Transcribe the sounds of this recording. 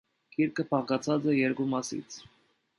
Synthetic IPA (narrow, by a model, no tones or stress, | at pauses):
kʰiɾkʰəpʰɑʁɡɑt͡sʰɑt͡sɛjɛɾkumɑsḭt͡sʰ